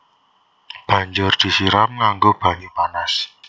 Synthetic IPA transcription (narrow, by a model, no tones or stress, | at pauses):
b̥ä̤ɲd͡ʒʊrd̪̥i̤siɾamŋaŋɡob̥a̤ɲupanas